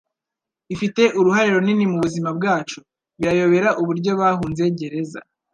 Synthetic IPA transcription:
ifite̞ʔuɾuɦaɾeɾo̞ninimuβuzimabɡaːt͡ʃo | βiɾajo̞βe̞ɾaʔuβuɾɟo̞βaːɦuːnze̞ɟe̞ɾe̞za̰

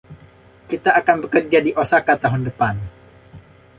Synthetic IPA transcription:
kit̪aːkanbəkərd͡ʒadiʔosakat̪aɦʊndəpan

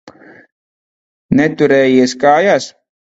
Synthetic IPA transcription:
nɛt̪uɾɛːjiɛskaːjaːs

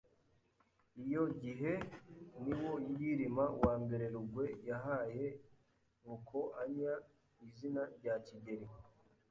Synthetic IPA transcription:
ijo̞ɟiɦe̞niwo̞jijiɾimawaːmbe̞ɾe̞ɾuɡwe̞jaɦaje̞ | ŋukʰo̞ʔaɲa | izinaɾɟaciɟeɾi

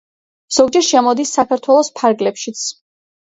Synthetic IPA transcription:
z̥ɔɡd͡ʒɛɾʃɛmɔd̪isːakʰaɾt̪ʰwɛlˠɔspʰaɾɡlɛpʃit̪sʰ

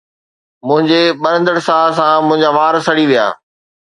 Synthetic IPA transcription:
mʊ̃ɦɪ̃ɲd͡ʑeɓɐɾə̃nd̪əɽsaːlsãmʊ̃ɦɪ̃ɲd͡ʑaʋaːɾsɐɽiʋija̰ː

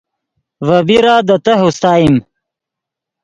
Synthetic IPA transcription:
vɐbiɾaːd̪ɐt̪ɐɦust̪aːim

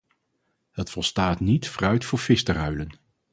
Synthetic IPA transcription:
hətfɔlˠstaːtnitfrœɥtfʊːɹv̥ɪstərœɥlən

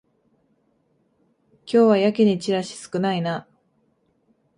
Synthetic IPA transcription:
kʲo̞ːβajakʲiɲ̟it͡ɕiɾaɕi̥sɨ̥kɯ̟naina

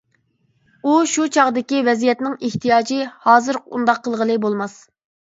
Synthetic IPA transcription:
uʃut͡ʃʰɑʁd̪ɪkʲivɛzijɛt̪nɪŋeht̪ʰijɑːd͡ʒɨhɑːzɨɾṵnd̪ɑqʰːəlˠʁəlˠɨbolˠmɑs

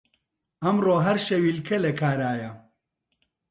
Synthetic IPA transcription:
ɐmroːɦɐɾʃɐwiːlkʰɐlɐkʰaːɾaːjɐ

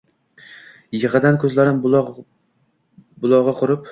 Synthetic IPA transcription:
jɨʁɨd̪ankʰɵzlaɾɪm | bʊlˠɒʁɑqʰʊɾɪp

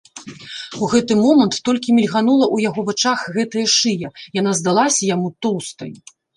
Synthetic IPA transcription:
uɣɛt̪ɨmɔmɐnt̪ːɔlʲkʲimʲilʲɣanulˠɐʔujaɣɔvat͡ʂaxɣɛt̪ɐjɐʂɨjɐjan̪azd̪alˠasʲɐjamut̪ɔwst̪ɐ̰j

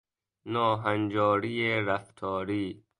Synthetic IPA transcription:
nɔːɦand͡ʒɔːɾiːeɾaft̪ʰɔːɾiː

